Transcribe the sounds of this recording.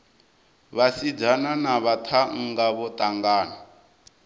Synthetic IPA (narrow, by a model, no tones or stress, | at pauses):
βasid͡zananaβatʰaŋ̩ɡaβɔt̪ʼaŋɡaːna